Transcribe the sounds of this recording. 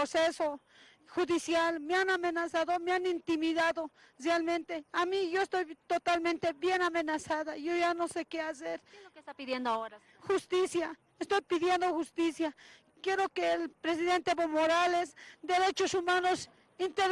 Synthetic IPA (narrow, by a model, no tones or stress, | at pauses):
oseso | xuðisjalmeanamenasaðomeanint̪imiðaðo | realmẽnt̪eamiʝoest̪ojt̪ot̪almẽnt̪eβjenamenasaðaʝoʝanosekeaseɾiðjend̪oo | xust̪isja | est̪ojpiðjend̪oxust̪isja | kjeɾokelpɾesiðent̪eβomoɾalesd̪eɾet͡ʃosumanos | int̪eɾ